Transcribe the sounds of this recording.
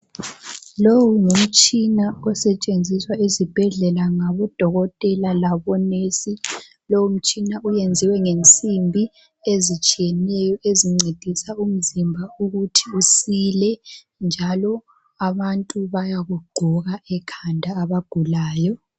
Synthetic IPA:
lowuŋum̩t͡ʃʼinaɔsɛt͡ʃʼend͡zʱiswaizib̥ʱɛɮɛlaŋaβɔd̥ʱɔɣɔtʼɛlalaβɔnesi | lowum̩t͡ʃʼinaujend͡zʱiwɛŋent͡sʼimbʱi | ezit͡ʃʼijɛnɛjɔʔeziŋ͡ǀed̥ʱisaum̩zimbʱauɣutʰiusilɛ | nd͡ʒʱalɔ | aβantʼuβajaɣuɡ͡ǃʱuɣaɛkʰandʱaːβaɡ̥ʱulaːjɔ

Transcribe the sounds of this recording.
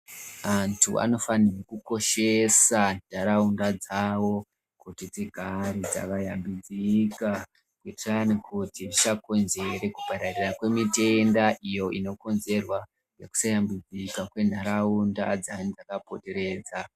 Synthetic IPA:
antʰṵʔa̰no̞fanirokuko̞ʃe̞sanaɾaundad͡zawo̞ | kutid͡ziɡʱaɾid͡za̰kajambid͡zika | kwetanikʰutiʐit͡ʃako̞nze̞ɾe̞kupaɾarirakwe̞mite̞ndaʔijo̞ino̞ko̞nze̞rwa | jeku̥sajambid͡zikakwe̞ndʱaɾaunda̰d͡zanid͡zakapo̞te̞ɾe̞ːd͡za

